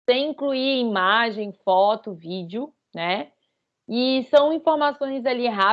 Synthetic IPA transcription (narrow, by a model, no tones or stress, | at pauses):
sẽj̃ĩkluiimaʒẽj̃fɔt̪ʊvid͡ʒɪʊ | nɛ | ɪsɐ̃w̃ĩfoɾmasõj̃zaliɦa